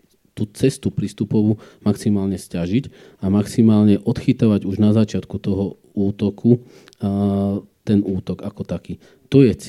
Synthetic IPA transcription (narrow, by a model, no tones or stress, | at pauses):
t̪uːt͡sɛst̪upɾist̪upɔʋumaksimaːlɲɛscaʒiɟ | amaksimaːlɲɛʔɔt̪xit̪aʋaɟuʒnazat͡ʃɪat̪kut̪ɔɦɔ | uːt̪ɔkʰu | t̪ɛnuːt̪ɔɡakɔt̪akiː | t̪ɔjɛt͡s